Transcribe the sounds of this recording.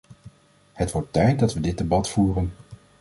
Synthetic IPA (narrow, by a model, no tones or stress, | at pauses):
hətʋɔɹtːɛjt̚dɑtʋədɪd̚debɑtfuːrən